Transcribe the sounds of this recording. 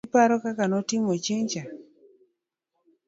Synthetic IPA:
paɾɔkakanɔtɪmɔt͡ʃeɲt͡ʃa

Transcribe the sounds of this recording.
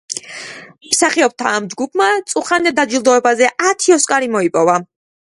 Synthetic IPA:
msaχiɔb̚t̪ʰaːmd͡ʒɡupʰmat̪sʼuχand̪ɛd̪ad͡ʒilˠd̪ɔɛbazɛʔat̪ʰiɔskʼaɾimɔipʼɔva

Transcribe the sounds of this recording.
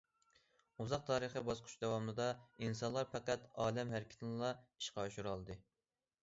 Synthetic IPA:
uzɑq̚t̪ʰɑːɾəχəbɑsqʰʊ̥ʃd̪ɛwɑmnɨd̪ɑinsɑnlˠɑɾpæqæt̪ɑːlɛmɦæɾɪkʲʰɪ̥t̪ʰɪnlˠɑi̥ʃqɑʃuɾɑlˠɨd̪ɨ

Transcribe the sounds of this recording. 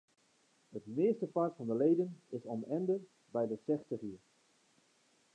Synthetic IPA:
hətmɪəstəfaɹtfɑndəlejdənɪsɔnɛndə | bɛjdəsɛstəχiː

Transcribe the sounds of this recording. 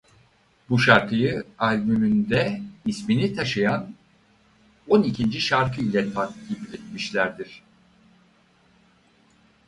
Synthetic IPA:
buʃaɾkʰɯjɯalʲbymynd̪ɛisminit̪ʰaʃɯjan | o̞nicʰind͡ʒiʃaɾkʰɯilʲɛt̪ʰak̪ibilʲit̪miʃlʲæɾd̪iɾ̥

